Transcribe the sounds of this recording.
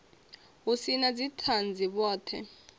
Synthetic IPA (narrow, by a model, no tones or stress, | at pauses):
usinad͡zitʰand͡zʱiɓɔːtʰɛ̰